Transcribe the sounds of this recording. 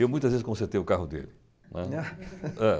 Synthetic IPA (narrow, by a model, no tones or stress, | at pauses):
ewmũj̃t̪ɐzvezɪskõseɾt̪ejʊkaɦʊd̪ḛlɪ | nɛ̰ | ɛ